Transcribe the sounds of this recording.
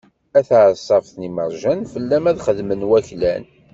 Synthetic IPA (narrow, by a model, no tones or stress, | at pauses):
æθʕsˤːɑfθniməɾˤʒænfəlːæmæðχəðmənwæçlæn